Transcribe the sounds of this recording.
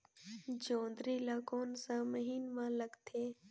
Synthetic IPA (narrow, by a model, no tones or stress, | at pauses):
d͡ʒõːnd̪ɾiːlaːkoːnsãːməɦiːnmãːləɡt̪ʰeː